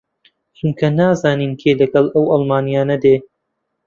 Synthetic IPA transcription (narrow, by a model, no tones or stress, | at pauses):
t͡ʃuŋkʰɐnaːzaːniːnkʰeːlɐɡɐlʔɐwʔɑlˠmaːnijaːnɐd̪eː